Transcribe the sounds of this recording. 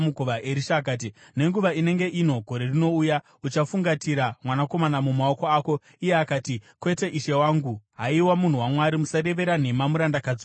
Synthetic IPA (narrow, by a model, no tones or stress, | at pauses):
mukoʋaʔeɾiʃaːk̬aːt̬ine̞ŋɡuʋaine̞ŋɡe̞ʔino̞ɡʱo̞ɾe̞rino̞uja | ut͡ʃafuŋɡatʰiɾamwanako̞manamumao̞ko̞aːko̞ | ije̞akaːtikwe̞te̞ʔiʃe̞waːŋɡuɦaiwamun̤uwamwaɾimusaɾe̞ʋe̞ɾan̤e̞mamuɾandakad͡zo